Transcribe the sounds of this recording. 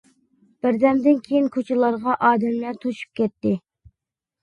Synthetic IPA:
b̥ɪɾd̪ɛmd̪ɪnkʲʰejinkʰot͡ʃʰɪlˠɑɾʁɑʔɑːd̪ɛmlæɾt̪ʰoʃu̥p̚kʲɛt̪ːɪ

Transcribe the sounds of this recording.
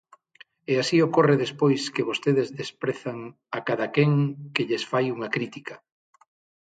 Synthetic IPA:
easiokoreðespojskeβost̪eð̞ezðespɾeθaŋ | akaðakeŋkeʎesfajuŋɐkɾit̪ikɐ

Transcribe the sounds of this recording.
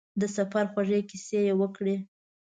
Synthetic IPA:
d̪əsafaɾxwaʐekisejewəkɽe

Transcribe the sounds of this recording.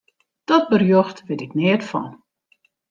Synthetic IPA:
d̥ɔt̚bərjoxtʋɪtɪknɪːtfɔ̰n

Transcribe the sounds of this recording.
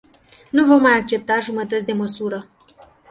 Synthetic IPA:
nuvo̞mːajak̚t͡ʃe̞p̚t̪aʒumət̪ət̪sʲd̪e̞məsuɾə

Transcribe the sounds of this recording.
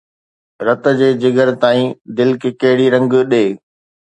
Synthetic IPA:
ɾɐt̪ə̆d͡ʑeːd͡ʑɪɡəɾt̪aːĩːd̪ɪlkkɐɦɪɽiɾɐ̃ŋɡɗeː

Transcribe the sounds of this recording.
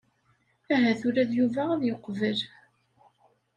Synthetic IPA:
æɦæθʊɾæðjuvææðjoqːvəl

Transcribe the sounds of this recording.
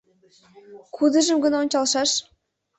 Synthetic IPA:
kʰud̪ə̆ʒə̆mɡɤ̆nonʲt͡ɕɑlˠʃɑʃ

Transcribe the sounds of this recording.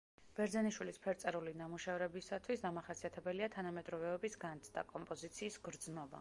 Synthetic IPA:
b̥ɛɾd̪zɛniʃwilispʰɛɾt̪sʼɛɾulinamuʃɛvɾɛbisat̪ʰwisd̪amaχasiat̪ʰɛbɛliat̪ʰanamɛd̪ɾɔvɛɔbisɡant̪sʰd̪a̰kʼɔmpʼɔzit̪sʰiːsɡɾd̪znɔba̰

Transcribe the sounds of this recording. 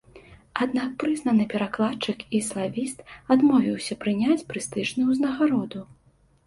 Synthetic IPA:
ad̪nak̚pɾɨznɐnɨpʲɛɾaklˠat͡ʂɨkislˠavʲist̪ad̪mɔvʲiwsʲɐpɾɨnʲat͡sʲpɾɨst̪ɨʐnɨjwznɐɣaɾɔd̪u

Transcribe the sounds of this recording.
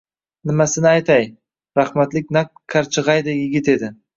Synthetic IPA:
nɪmasɪnɪajt̪ʰaj | ɾaχmat̪lɪk̚ʲnak̚kʲʰːaɾt͡ʃʰɨʁɑjd̪ɪjɪɡʲɪt̪e̞d̪ɪ

